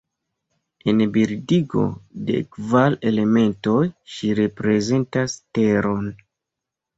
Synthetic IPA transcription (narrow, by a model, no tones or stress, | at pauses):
enbiɾdiɡo̞̰de̞̰kvale̞le̞me̞nto̞jʃiɾe̞pɾe̞ze̞ntaste̞ɾo̞n